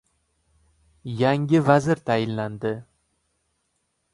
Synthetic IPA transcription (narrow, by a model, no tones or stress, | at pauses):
jaŋʲɪvazɪɾt̪ʰajɪnland̪ɪ